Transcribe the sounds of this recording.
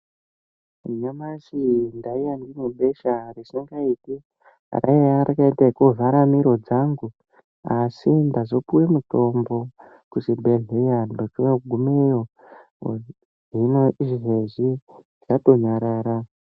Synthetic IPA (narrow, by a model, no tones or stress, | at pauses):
ɲamasindaijandinuɓeʃarisiŋɡaiːtḭ | rʔa̰eaɾikaitaikuvʱaɾamiɾo̞d͡zaŋɡu | asindazopuwemuto̞mbo̞ | kusibʱeɮejandot͡ʃujoɡʱumejo | ɦinoiʐɦezi | ʐato̞ɲaɾaːɾa